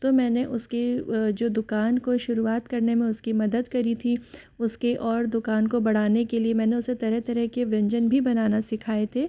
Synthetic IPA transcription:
t̪omɛ̃ːneʔʊsked͡ʒoːd̪ʊkaːnkoʃʊɾuaːt̪kɐɾnemẽʊskimɐd̪əd̪kɐɾit̪ʰi | ʊskeʔɔːɾd̪ʊkaːnkobɐɽ̤aːnekeliemɛ̃ːneʊset̪ɐɾɛɦt̪ɐɾɛɦkeʋɛ̃ɲd͡ʒənbʱibɐnaːnasɪkʰaːet̪ʰeː

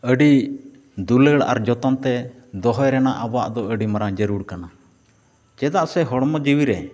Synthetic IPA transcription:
əɖi | d̪uləɽa̰ɾd͡ʒɔt̪ɔnt̪ɛ | d̪ɔɦɔjɾɛnaʔabwa̰ʔd̪ɔəɖimaɾaŋd͡ʒəɾuɽkana | t͡ʃɛd̪aʔsɛɦɔɽmɔd͡ʒiwiɾɛ

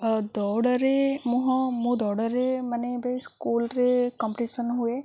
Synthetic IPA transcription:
d̪ɔɽəɾemuɦɔ̃mũd̪ɔɽəɾemanebeskuːlɾekɔmpʈisənɦue

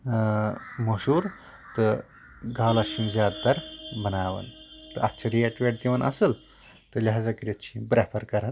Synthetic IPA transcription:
mɐʃuːɾ | t̪ɨ | ɡaːlɐʃĩzʲjaːd̪t̪ɐɾbɐnaːʋɐ̰nt̪ɨɐtːt͡ʃʰɐɾieʈʋeːʈ̚t̪iʋɐnʔɐ̰sɨl | t̪ɨlʲaɦzɐkɾit̪t͡ʃʰĩbɾepʰɐɾkɐɾɐn

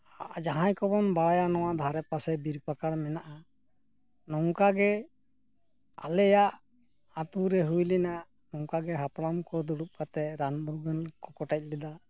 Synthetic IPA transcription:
aʔd͡ʒaɦãjkɔbɔnbaɽajanɔwaʔd̪ʱaɾɛpasɛbiɾpakaɽmɛnaʔa | nɔŋkaɡɛ | a̰lɛjaʔ | at̪uɾɛɦujlina | nɔŋkaɡɛɦapɽamkɔd̪uɽup̚kat̪ɛɾanmuɾɡənkɔkɔʈac̚ˀlɛd̪a

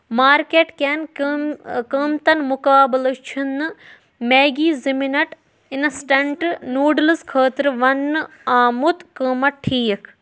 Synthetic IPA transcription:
maːɾkeːʈkʲen | kəmt̪ɐnmukaːblɐt͡ʃʰinːɨ | meːɡiːziminɐʈ | inɐsʈɐɳʈnuːɖlɐskʰəːt̪ɾɨʋɐnːɨaːmut̪kəːmɐʈʈʰːiːɐkʰ

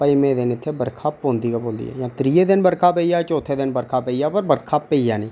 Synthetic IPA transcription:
pəimẽːd̪ɪnɪt̪ʰːebəɾkʰaːpõːnd̪iːɡaːpõːnd̪ḭːɛ̰ːjãːt̪ɾiːeːd̪ɪnbəɾkʰaːpəiːaːt͡ʃoːt̪ʰeːd̪ɪnbəɾkʰaːpəijaːpəɾbəɾkʰaːpeiːaːnĩː

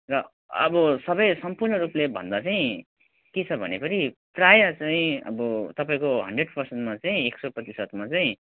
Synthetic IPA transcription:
rʌ | ʌ̰bʌsʌbʌjsʌmpurnʌɾuplebʱʌ̰nd̪at͡saĩ | ket͡sʰʌbʱʌ̰nepʌɾiprajat͡saĩʌ̰bʌt̪ʌpaĩkoɦʌɳɖreɖpʌrsenʈmat͡saĩeksoprʌt̪isʌt̪mat͡saĩ

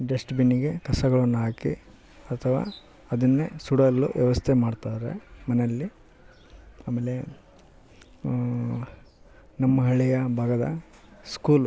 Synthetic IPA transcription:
ɖesʈbinːiɡe̞kɐsɐɡɐɭɐnːuɦaːkḭ | ɐt̪ʰɐʋa̰ː | ɐd̪ɐnːesuɽɐlːṵʋjɐʋɐst̪ʰemaːɖt̪aːɾe̞̰mɐnelːi | aːmeːle | nɐmːɐɦɐɭijɐbʱaːɡɐd̪ɐ̰ | skuːl

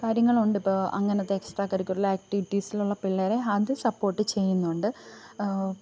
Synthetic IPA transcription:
kaːɾjɐŋːɐɭuɳɖɨipːoːɐ̰ŋːɐnɐt̪ːeeksʈraːkːɐɾikʲːuʈːilːɐaːk̚ʈiʋiʈːisiluɭːɐpiɭːɐɾeɐðɨsɐpːo̞ːʈːɨt͡ɕe̞jːunːuuɳɖɨ

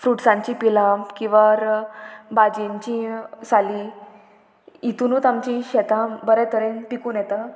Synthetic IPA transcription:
fɾuʈsãɲt͡ɕipilakĩw̃ʋaɾbad͡ʑeɲt͡ɕĩsali | it̪unuːt̪amt͡ɕĩɕɛt̪ãbəɾɛt̪ʰəɾẽnpikuːnjɛt̪a

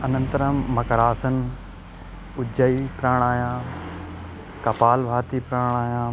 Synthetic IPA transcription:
ɐnə̃nt̪ɾəmːɐkɐɾaːsən | ʊd͡ʑəipɾaːɽ̃aːjãː | kɐpaːlbʱaːt̪ipɾaːɽ̃aːjãː

